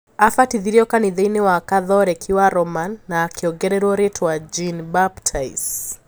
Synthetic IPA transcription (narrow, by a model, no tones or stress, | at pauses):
afatiðiɾiɔkaniðejnewakaðɔɾɛkʰiwaɾɔmanːakiɔɡɛɾɛɾwɔɾetʰwad͡ʒinbaptʰais